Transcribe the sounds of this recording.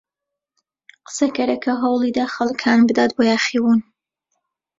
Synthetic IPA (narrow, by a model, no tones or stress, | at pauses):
qə̥sɐkɐɾɐkʰɐɦɐwlˠid̪axɐlˠkʰaːnbɨd̪at̪̚bojaːχiwun